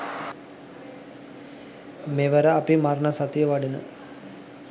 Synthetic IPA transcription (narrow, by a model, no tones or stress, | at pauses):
meʋəɾəapimarnəsat̪ijəʋaɖənə̰